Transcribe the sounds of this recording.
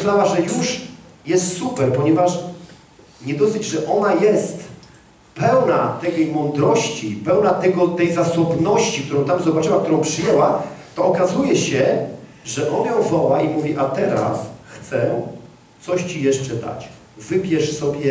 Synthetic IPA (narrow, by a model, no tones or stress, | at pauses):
ɕlawaʐɛjuʂjɛst̪supɛɾpɔɲɛvaʂ | ɲɛd̪ɔsɘd͡ʑʐɛʔɔnajɛst̪ | pɛwnat̪ɛɡɛjmɔnd̪ɾɔɕt͡ɕḭpɛwnat̪ɛɡɔt̪ɛjzasɔbnɔɕt͡ɕikt̪uɾɔ̃w̃t̪amzɔbatt͡ʂɘwak̚t̪uɾɔ̃w̃pʂɘjɛwat̪ɔːkazujɛɕɛ | ʐɛʔɔnjɔ̃w̃vɔwaimuvʲiʔat̪ɛɾa̰sxt̪sɛ | t̪sɔɕt͡ɕijɛʂt͡ʂɛd̪a̰t͡ɕ | vɘpʲjɛʂsɔbʲjɛ